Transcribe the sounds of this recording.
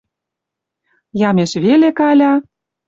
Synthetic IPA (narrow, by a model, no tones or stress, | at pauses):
jɑmʲeʃβelekɑlʲɑ